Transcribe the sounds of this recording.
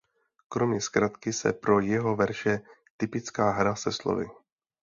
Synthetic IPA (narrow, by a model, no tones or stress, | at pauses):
kɾo̞mɲɛskɾat̪kɪsɛ̰pɾo̞jɛɦo̞vɛɾʃɛ | t̪ɪpɪt͡skaːɦɾasɛslo̰vɪ̰